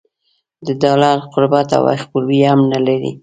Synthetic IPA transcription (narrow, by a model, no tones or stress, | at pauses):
d̪əd̪ɑlaɾqʊɾbat̪a̰wa̰xpuɾwihamnalaɾḭ